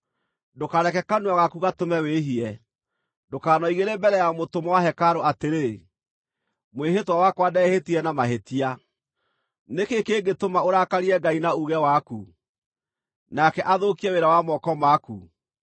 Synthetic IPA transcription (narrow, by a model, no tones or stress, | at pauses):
dokaɾɛkɛkanuaɣakuɣatomɛweɦiɛ | dokaːnɔiɣeɾembɛɾɛjamotomɔwaɦɛkaɾoateɾe | mweɦetwawakwadɛhetiɛnamaɦetia | nekekeɡetomaoɾakaɾiɛɡainauɣɛwaku | nakɛʔaðokiɛweɾawamɔkɔmakṵ